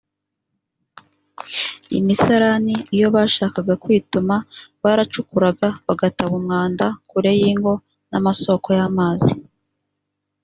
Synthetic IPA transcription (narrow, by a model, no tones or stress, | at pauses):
ḭmisaɾaniijo̞βaʃaːkaɡakwiːtumaβaɾat͡ʃukuɾaɡaβaɡataβumŋaːndakuɾe̞jiːŋɡo̞ | namaso̞ko̞jamaːzi